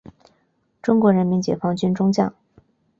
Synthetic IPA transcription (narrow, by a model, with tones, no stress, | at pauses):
ʈ͡ʂʊ˥ŋkwɔ˧˥ɻə˧˥nmi˧˥nt͡ɕjɛ̰˨˩fɑ˥ŋt͡ɕy˥nʈ͡ʂʊ˥ŋt͡ɕjɑ̰˥˩ŋ